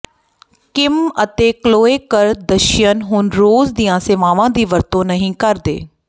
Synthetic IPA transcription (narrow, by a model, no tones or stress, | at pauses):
kɪmət̪eːkloːeːkəɾd̪əʃjənɦʊnɾoːzd̪ijãːseːʋaːʋãːd̪iːʋəɾt̪õːnəɦĩːkəɾd̪ḛː